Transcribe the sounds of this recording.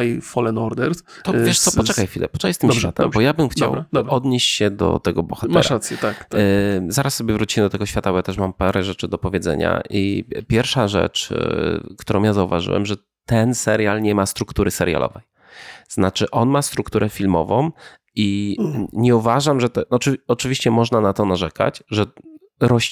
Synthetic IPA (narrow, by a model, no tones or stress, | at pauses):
ajfɔlɛnɔɾd̪ɛɾs | t̪ɔvvjɛʂsɔpɔt͡ʂɛkajfʲilɛ̰pɔ̥t͡ʃɛkajst̪ɘmɕfʲat̪ɛmbbɔjabɘmxt͡ɕa̰wd̪bɾɔd̪ɲeɕt͡ɕɕɛd̪ɔ̰t̪ɛɡɔbwɔ̰xat̪mɛaɾaɾat̪sʲjɛt̪akzaɾʔasːɔbjɛvɾut͡ɕimɛd̪ɔt̪ɛɡɔɕfʲat̪abɔjat̪ɛʂmampaɾɛʐɛt͡ʂɘd̪ɔpɔvʲjɛd̪zɛ̰ɲa̰ʔipʲjɛɾfʂaʐɛ̰t͡ʂ | kt̪uɾɔ̃w̃mjazauva̰ʐɘ̰wɛ̰mʐɛ | t̪ɛnsɛɾʲjalɲɛmast̪ɾukt̪uɾɘsɛɾʲja̰lʔɔ̰vɛj | z̥nat͡ʂɘʔɔnmast̪ɾukt̪uɾɛfʲilmɔvɔ̃w | i | ɲɛuvaʐamʐɛt̪ɛɔɔt͡ʂɘvʲiɕt͡ɕɛmɔʐnanat̪ɔnaʐɛka̰t͡ɕʐɛ | ɾɔɕ